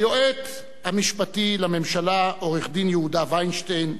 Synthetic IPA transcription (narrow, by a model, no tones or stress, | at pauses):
joʔet̪ | hamiʃpatilame̞mʃalaʔo̞ʁeχd̪injehudavajnʃtejn